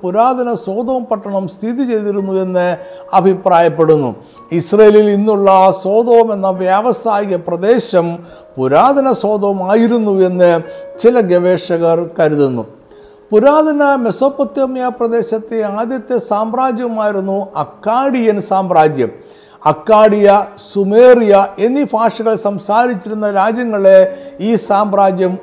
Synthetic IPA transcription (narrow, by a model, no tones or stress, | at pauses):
puɾaːd̪ʱɐnɐso̞ːd̪oːɐmpɐʈːɐɳɐmst̪ʰiðit͡ɕe̞jt̪iɾunːue̞nːɨɐbʱipraːjɐpːe̞ɽunːṵ | isrɐjelilinːuɭːɐso̞ːd̪oːɐme̞nːɐʋjaʋɐsaːjiɣɐprɐd̪e̞ːɕɐm | puɾaːd̪ʱɐnɐso̞ːd̪ɐʋmaːjiɾunːue̞nːɨt͡ɕilɐɡeʋeːʂɐɣɐrkɐɾuðunːṵ | puɾaːd̪ʱɐnɐmesoːpːɐt̪jɐmjaprɐd̪e̞ːɕɐt̪ːeaːd̪jɐt̪ːesaːmraːd͡ʑjɐmaːjiɾunːuɐkːaːɽijɐnsaːmbɾaːd͡ʑjɐ̰m | ɐkːaːɽijɐsumeːrijɐe̞nːipʰaːʂɐɣɐɭsɐmsaːɾit͡ɕːiɾunːɐɾaːd͡ʑjɐŋːɐɭe̞iːsaːmraːd͡ʑjɐm